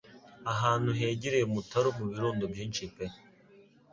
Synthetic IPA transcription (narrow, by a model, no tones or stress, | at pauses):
aɦaːnhuɦeːɟiɾejemutaɾomuβiɾoːndobjiːnt͡ʃipe